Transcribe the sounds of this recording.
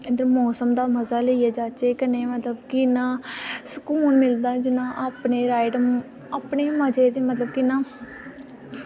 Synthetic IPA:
ẽnd̪əɾmɔːsəmd̪aːməzaːləijaːd͡ʒaːt͡ʃeːkəneːmət̪ləbkɪnãːsəkuːnmɪld̪aːd͡ʒɪnãːʔaːpneːɾaːɪɖəm | aːpɳeːməd͡ʒeːd̪eːmət̪ləb̚kɪnãː

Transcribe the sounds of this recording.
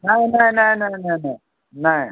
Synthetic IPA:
najnajnajnajnajnaj | naj

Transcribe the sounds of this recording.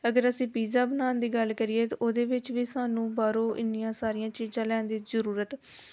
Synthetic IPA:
əɡəɾəsĩːpiːzaːbənaːnd̪iːɡəlkəɾɪeːt̪ːʔoːd̪eːʋɪt͡ʃʋiːsaːnũːbaːɾõːʔɪnːɪjãːsaːɾɪjãːt͡ʃiːzãːlɛːnd̪iːzəɾuːɾət̪

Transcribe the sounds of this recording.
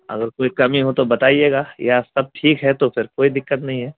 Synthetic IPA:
ɐ̰ɡəɾkoːikɐmiɦot̪obɐt̪aːieːɡaːjasɐb̚ʈʰiːkɦɛt̪ofʰɪɾkoːid̪ɪkːət̪nɐɦĩɦɛː

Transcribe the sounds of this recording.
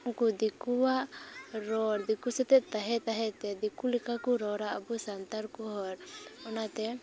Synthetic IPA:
kud̪ikuwaʔɾɔɾd̪ikusɛt̪ɛt̪aɦɛt̪aɦɛt̪ɛd̪ikulikakuɾɔɾaʔabusant̪aɾkuɦɔɾɔnat̪ɛ

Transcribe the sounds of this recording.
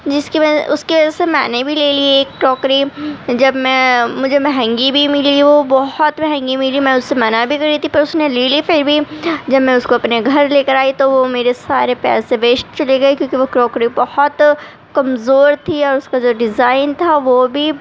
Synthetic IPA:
d͡ʒɪskimɛ̃ʔʊskiʋɐd͡ʒasemɛ̰̃ːnebʱileːlieːkːɾɔːkɾid͡ʒɐbmɛ̃ːmʊd͡ʒʱebɛɦɛ̃ŋɡibʱimɪliʋobɔɦʊt̪bɛɦɛ̃ŋɡimɪlimɛ̃ːʊsːemɐnabʱikɐɾit̪ʰipɐɾʊsneɾeːlifeːɾbʱid͡ʒɐbmɛ̃ʊskoɐpneɡʱɐɾleːkəɾaːit̪oʋomeːɾesaːɾepɛ̰ːseʋeːʃʈt͡ʃɐleɡɐekjõːkiʋokɾɔːkɾibɐhɔt̪ | kɐmzoːɾt̪ʰiɔːɾʊskad͡ʒoːɖɪzaːɪnt̪ʰaʋobʱi

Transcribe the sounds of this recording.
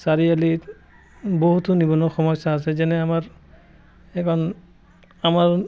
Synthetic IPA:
saɹiali | boɦut̪unibɔnɔxɔmɔjsaːs̬ɛzɛnɛamaɹ | ɛkʰɔn | amaɹ

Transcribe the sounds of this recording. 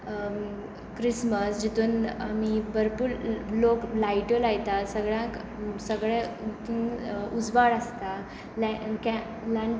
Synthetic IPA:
kɾisməsd͡ʑit̪uːnamibəɾpuːɾloklajʈolajt̪asəɡɭjãk | səɡɭɛ̃t̪iud͡zʋaɽəst̪a | lakɛ̃ | lãɳ

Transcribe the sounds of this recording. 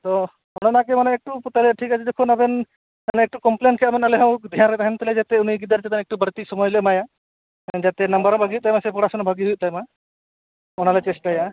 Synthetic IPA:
t̪ɔ | ɔñɔnakɛmanɛɛk̚ʈuput̪alɛʈʰikat͡ʃʰid̪ekʰunabɛn | anɛɛk̚ʈukɔmplenkʰɛabɛnalɛɦãwd̪ʱjanɾɛt̪aɦɛnt̪ɛlɛd͡ʒat̪ɛuniɡid̪əɾt͡ʃɛt̪anɛk̚ʈubəɾt̪isɔmɔjlɛmaja | nd͡ʒat̪ɛnɐmbəɾɔ̃bʱaɡijuʔ̚t̪ajmasɛpɔɽasɔnɔbʱaɡiɦujuʔ̚t̪ajma | ɔnalɛt͡ʃesʈaja

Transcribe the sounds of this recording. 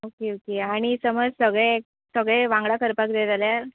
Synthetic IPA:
okeokeaɽ̃isəməd͡zsəɡɭẽk̚ | səɡɭẽʋãŋɡɭakəɾpak̚d̪ed͡z̪aljaɾ

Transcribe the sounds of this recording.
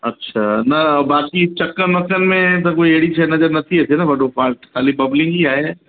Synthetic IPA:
ɐtːʃʰaːnɐbaːkit͡ʃɐkːənʋɐkənmẽt̪ɐkoieːɽit͡ʃʰɛnɐd͡ʒɐɾnɐt̪ʰiɛːsenabɐɖopʰaːɾʈxaːlibɐblɪ̃ŋɡiaːeɛ̃

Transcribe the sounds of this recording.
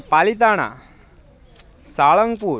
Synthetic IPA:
palit̪̬aɽ̃a̰ | saɭəŋɡpu

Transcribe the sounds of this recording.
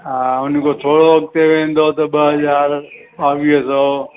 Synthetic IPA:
ɦaʊn̤kot̪ʰoːɽoʋɐk̚t̪eʋẽːnd̪ot̪ɐɓɐɦəzaːɾ | ɓaːʋiəso

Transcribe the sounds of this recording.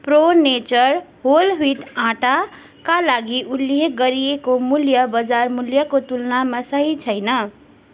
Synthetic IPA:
pronet͡ʃʌɾɦolɦiʈãʈa | kalaɡiʔuljeɡʌɾiekomuljʌbʌd͡zarmuljʌkot̪ulnamasʌɦit͡sʰʌjnʌ

